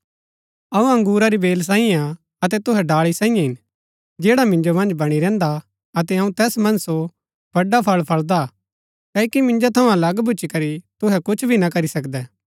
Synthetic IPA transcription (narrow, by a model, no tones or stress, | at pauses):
ɐũɐ̃ŋɡuːɾaɾibeːls̬ãːĩjãa | ɐt̪ɛt̪ʊɦɛɖaːɭisãːĩjãɦɪn | d͡ʒɛːɽamɪ̃nd͡ʒomɐ̃nd͡ʒbɐɽ̃iɾɛ̃ːnd̪a | ɐt̪ɛɐ̃ũt̪ɛːsmɐ̃nso | b̥ʱɐɖapʰɐɭpʰɐɭd̪a | kɐːkimɪ̃nd͡ʒot̪ʰɐũɐlɐɡbʱʊːt͡ʃikɐɾit̪ʊɦɛkʊt͡ʃʰbʱinakɐɾisɐkd̪ɛː